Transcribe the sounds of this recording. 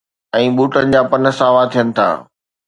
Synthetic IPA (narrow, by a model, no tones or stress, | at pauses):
ɛ̃ːɓuːʈənɪ̆d͡ʑaːpɐnə̆sãʋaːt̪ʰijənɪ̆t̪ʰa̰ː